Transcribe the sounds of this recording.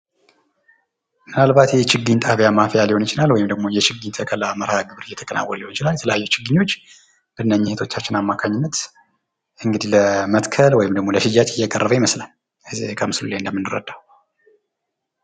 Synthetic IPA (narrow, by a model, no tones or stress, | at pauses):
mɨnalβat̪jɛɛt͡ʃɪɡɨɲt̪ʼʰaβjamafjaliho̞nit͡ʃɪnalwɔjɪmd̪əɡ̚mo̞jɛt͡ʃɪɡːɨɲt̪ʰəkʰəlaməɾhaɡɨβɨɾɨjːɛt̪ʰə̥kʼəna̰wːə̰lliho̞nt͡ʃɪlaljɛt̪ʰələjajːɛt͡ʃɪɡːɨɲːo̞t͡ʃː | b̥ɨnːəɲːɪhet̪ʰo̞t͡ʃːat͡ʃːɪnamːakʰaɲːɪnːət̪ | ʔɨŋɡɨd̪iləmət̪kʰəlwɔjɪmd̪əɡmo̞ləʃɪd͡ʒat̪ɪjːɛkʼərːəβəjɪməslal | zkʰəmɨsluleɨnd̪əmɨnːɨɾə̰d̪aw